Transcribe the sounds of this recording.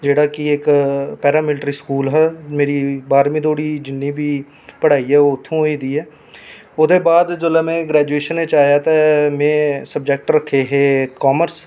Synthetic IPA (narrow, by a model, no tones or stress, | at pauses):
d͡ʒeːɽaːkɪɪkpɛːɾaːmɪlʈɾiːskuːlɦɛːmeːɾiːbaːɾmĩːd̪oːɽiːd͡ʒɪnːĩːbʱiː | pəɽ̤aːiɦɛːoːʊt̪ʰːõːɦoiːd̪iːɦɛː | ʊd̪eːbaːd̪d͡ʒoːlaːmẽːɡɾɛːd͡ʒueːʃəneːt͡ʃaːjaːt̪amẽːsəb̚d͡ʒɛk̚ʈɾəkʰːeːɦeːkaːməɾs